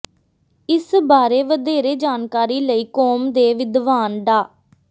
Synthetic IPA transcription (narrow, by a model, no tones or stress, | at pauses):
ɪsbaːɾeːʋəd̪eːɾeːd͡ʒaːnkaːɾiːləiːkɔːmd̪eːʋɪd̪ʋaːnɖaː